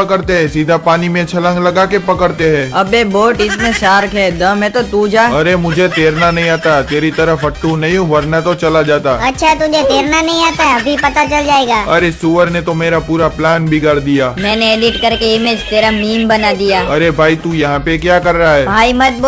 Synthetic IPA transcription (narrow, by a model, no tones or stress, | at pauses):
ɐkəɾt̪eɦɛ̃siːd̪ʱapaːnimẽt͡ʃʰɐlə̃ŋɡlɐɡakepɐkəɾt̪eɦɛ̃ːɐbeboːʈɪsmẽʃaːɾkɦɛd̪ɐmɦɛ̃t̪ot̪ud͡ʒaːɐɾemʊd͡ʒʱet̪eːɾnanɐɦĩaːt̪at̪eːɾit̪ɐɾəfɐʈːũnɐɦĩɦũʋɐɾnat̪ot͡ʃɐlad͡ʒaːt̪aːɐtːʃʰaɛt̪ʊd͡ʒʱet̪eːɾnanɐɦĩaːt̪aɦɛɐbʱipɐt̪at͡ʃɐld͡ʒaːeːɡaːɐ̰ɾesuːʋəɾnet̪omeːɾapuːɾaplaːnbʱiɡəɾd̪ijaːmɛ̃ːneeːɖɪʈkɐɾkeɪmẽd͡ʒt̪eːɾamiːmbɐnad̪ijaːɐɾebʱaːit̪ujɐɦãpekjaːkɐɾːɐɦaɦɛːbʱaːimɐt̪̚b